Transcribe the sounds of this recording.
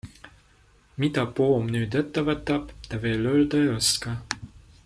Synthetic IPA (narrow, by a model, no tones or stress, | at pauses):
mit̪ɑpoːmnyːd̪et̪ːævət̪ːɑpt̪æveːløld̪ɑost̪kɑ